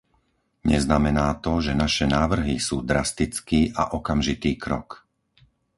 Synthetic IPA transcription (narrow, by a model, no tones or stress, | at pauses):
ɲɛznamɛnaːt̪ɔʒɛnaʃɛnaːʋr̩ɦisuːd̪ɾast̪it͡skiːʔa̰ʔɔkamʒit̪iːkɾɔ̰k